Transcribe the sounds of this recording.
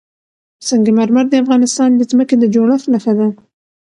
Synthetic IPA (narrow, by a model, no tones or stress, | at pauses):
səŋɡemaɾmaɾd̪əafɣɑnɪst̪ɑnd̪əzməked̪əd͡ʒoɽəxnaxad̪a